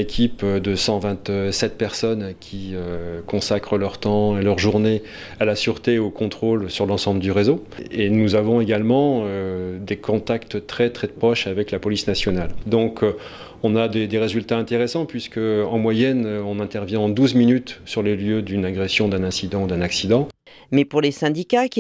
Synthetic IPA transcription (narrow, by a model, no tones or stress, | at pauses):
ekʲʰipd̪əsɑ̃vɛ̃t̪sɛt̪̚pɛʁsɔnkʲʰiøkɔ̃sakχəlœʁt̪ɑ̃elœʁʒuʁne | alasyʁt̪eokɔ̃t̪χolsyʁlɑ̃sɑ̃bləd̪yʁezoenuzavɔ̃eɡalmɑ̃ød̪ekʰɔ̃t̪akt̪t̪χɛt̪χɛpχɔʃavɛklapɔlisnasjɔnald̪ɔ̃kʰ | ɔ̃nad̪ed̪eʁezylt̪aɛ̃t̪eʁesɑ̃pɥiskəɑ̃mwajɛnɔ̃nɛ̃t̪ɛʁvjɛ̃ɑ̃d̪uzminyt̪syʁleljød̪ynaɡʁesjɔ̃d̪ɛ̃nɛ̃sid̪ɑ̃ud̪ɛ̃naksid̪ɑ̃ | mɛpuʁlesɛ̃d̪ikakʲ